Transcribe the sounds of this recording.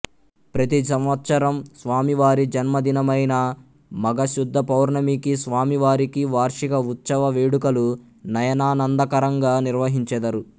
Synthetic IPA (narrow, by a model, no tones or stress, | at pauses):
pɾɐt̪isɐmʋɐt̪sɐɾɐmsʋaːmiʋaːɾid͡ʒɐnmɐd̪inɐmɐjnɐ | mɐɡɐʃud̪ʱːɐpɐwɾɳɐmikisʋaːmiʋaːɾikiʋaːɾʂikɐut̪sɐʋɐʋeːɽukɐlu | nɐjɐnaːnɐnd̪ɐkɐɾɐŋɡaːniɾʋɐɦiɲt͡ʃɛd̪ɐɾu